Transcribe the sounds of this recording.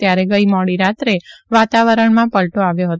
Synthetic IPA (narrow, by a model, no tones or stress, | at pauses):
t̪jaɾeɡəimɔɽiɾat̪ɾeʋat̪aʋəɾəɳmãpəlʈoaʋjoɦət̪